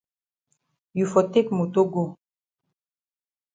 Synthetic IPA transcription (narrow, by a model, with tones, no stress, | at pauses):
ju˨fɔ˨te˦kmo˨to˦ɡo˦˨